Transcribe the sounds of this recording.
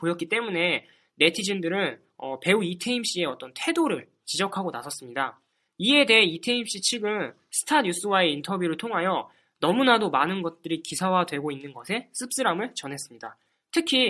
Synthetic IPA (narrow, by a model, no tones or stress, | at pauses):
pojʌt̚k͈it͈e̞mune̞ | ne̞tʰid͡ʑindɯɾɯn | ʌpe̞uitʰeimɕ͈ie̞ʌt͈ʌntʰwe̞doɾɯɭ | t͡ɕid͡ʑʌkʰaɡonasʰʌs͈ɯmɲida | ie̞de̞ɦeitʰe̞imɕ͈it͡ɕʰiɡɯn | sʰɯ̥tʰaɲus͈ɯwae̞intʰʌbjuɾɯɭtʰoŋɦajʌ | nʌmunadomanɯnɡʌt̚t͈ɯɾikisʰawadwe̞ɡoinːɯnɡʌsʰe̞s͈ʰɯp̚s͈ɯɾamɯɭt͡ɕʌnɦe̞s͈ɯmɲida | tʰɯkʰi